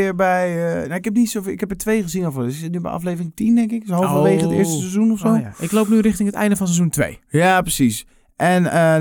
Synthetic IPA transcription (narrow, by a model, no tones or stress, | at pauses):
ɪbɛjənoɪkhɛp̚nisofɪkhɛpɛtʰʋejɣəzinɔfoɪsɪsɪtnybɛ̰ʔɑ̰fleːvərɪŋtindɛŋkɪksholˠfʋeːɣətɪ̰əstəsezunɔfsoːʔɪkloːpnyrɪxtɪŋətɛ̰jndəfɔns̬ɛzuntʋḛjjaprəsis | ʔɛnə